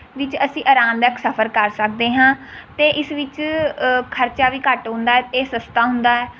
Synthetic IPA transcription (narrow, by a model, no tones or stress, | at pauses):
ʋɪt͡ʃəsĩːʔəɾãːnd̪əksəpʰəɾkəɾsək̚d̪eːɦãːt̪eːʔɪsʋɪt͡ʃ | kʰəɾt͡ʃaːʋiːkəʈɦʊ̃nd̪aːɛːt̪eːsəst̪aːɦʊ̃nd̪aːɛː